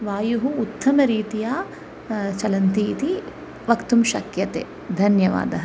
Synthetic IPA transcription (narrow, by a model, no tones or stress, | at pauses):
ʋaːjuɦuːt̪ːɐmɐɾiːt̪ijaː | t͡ʃɐlɐnt̪iːt̪i | ʋɐkt̪umʃɐkjɐt̪ḛː | d̪ʱɐnjɐʋa̰ːd̪ɐɦɐ